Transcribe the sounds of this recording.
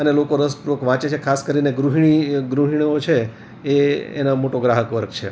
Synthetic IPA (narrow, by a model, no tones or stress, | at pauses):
ənelokoɾəspɾuʋəkʋãt͡ʃet͡ʃʰekʰaskəɾineɡɾuɦiɳ̃iɡɾuɦiɳ̃iot͡ʃʰeː | ḛnamoʈoɡɾaɦəkʋəɾɡ̚t͡ʃʰḛ